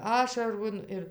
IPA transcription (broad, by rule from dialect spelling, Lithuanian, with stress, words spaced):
ˈɑːʃɐroːn ɪr